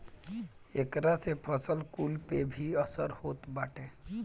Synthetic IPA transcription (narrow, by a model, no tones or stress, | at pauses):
eːkɾasepʰəsəlkulpebʱiəsəɾhoːt̪baːʈẽ